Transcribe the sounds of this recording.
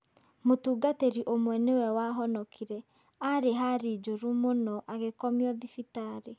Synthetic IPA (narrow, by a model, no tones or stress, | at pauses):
motuːɡateɾiʔomwɛnewɛwaɦɔnɔkʰiɾɛ | aɾeɦaɾid͡ʒoɾumonɔʔaɣekɔmjɔðifitaɾe